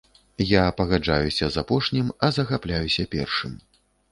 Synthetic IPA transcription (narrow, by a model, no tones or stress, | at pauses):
japɐɣad͡ʐa̰jusʲɐzapɔʂnʲimɐzɐɣaplʲajusʲɐpʲɛ̰rʂɨm